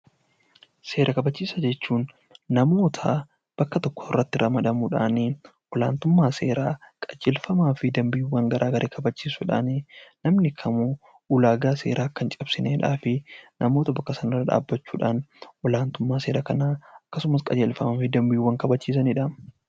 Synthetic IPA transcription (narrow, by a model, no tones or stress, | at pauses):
se̞ːɾɐkɐbɐt͡ʃːiːsɐd͡ʒɛt͡ʃːuːnː | ɐmo̞ːt̪ʰɐ | b̥ɐkːɐt̪ɔkːɔ̥ɪrːɐt̪ːɪɾʔɐmɐd̪ɐmuːᶑa̰ːni | wʔɔlaːnt̪ʊmːaːse̞̰ːɾaːkʼɐd͡ʒeːlfɐmaːfɪd̪ɐmbɪjuːwːɐŋɡɐɾʔaːɡɐɾʔeːkʰɐbɐt͡ʃːiːsʊᶑa̰ːnɪnɐmnɪkʰɐmu | ʊlaːɡaːse̞̰ːɾaːkːɐnt͡ʃʼɐbsɪneːᶑa̰ːfɪnʔɐmo̞ːt̪ɐbɐkːɐsɐnɪrːɐᶑa̰ːbːɐt͡ʃːuːᶑaːnʔɔlaːnt̪ʊmːaːse̞ːɾɐkɐnaːɐkːɐsʊmɐskʼɐd͡ʒeːlfɐmaːfɪd̪ɐmbɪjuːwːɐŋkɐbɐt͡ʃːiːs̬ɐnɪᶑaː